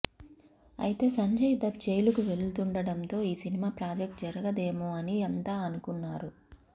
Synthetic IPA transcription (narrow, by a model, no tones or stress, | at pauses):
ɐ̰jit̪e̞ːsɐɲd͡ʒɐjd̪ɐt̪̚d͡ʒejlukuʋe̞ɭut̪uɳɖɐɽɐnt̪o̞ːiːsinimaːpɾaːd͡ʒek̚ʈd͡ʒɐɾɐɡɐd̪e̞ːmuɐniɐnt̪aːɐnukunːaːɾu